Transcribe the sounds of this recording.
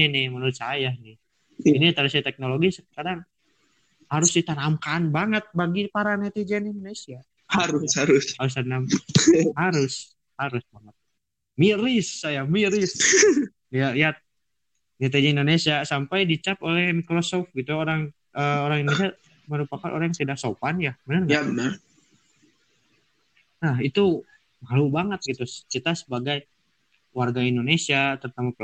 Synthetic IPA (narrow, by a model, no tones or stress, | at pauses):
nɪmənuɾɪt̪sajanih | init̪aɾisat̪ɛk̚noloɡisəkadaŋ | haɾʊsdit̪anamkanbaŋət̪̚baɡipaɾanɛt̪ed͡ʒɛnindonesia | haɾʊshaɾʊshaɾʊs̬t̪anamhaɾʊs | haɾʊsbaŋət̪̚ | miɾɪsːajamiɾɪs | jaiat̪̚ | ɲat̪̬ad͡ʒaindonesiasampajdit͡ʃapolɛhmikɾosɔfɡit̪uoɾaŋ | əoɾaŋindonesia | məɾupakanʔo̰ɾajŋt̪idaksopanjabənərɡaabənər | nahit̪u | malubaŋət̪̚ɡit̪ut͡ʃit̪asəbaɡaj | warɡaindonesiat̪ərt̪amak